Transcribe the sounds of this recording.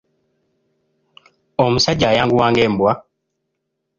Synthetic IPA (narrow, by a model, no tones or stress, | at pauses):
ɔmusad͡ʒajaŋɡuwaːŋɡɛm̩bwa